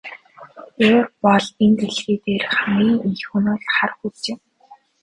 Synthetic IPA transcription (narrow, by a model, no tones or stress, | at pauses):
oːrpɔɮent̪eɮɣiːt̪eːrχamiːŋixunʊːɮχarxut͡sɪ̆m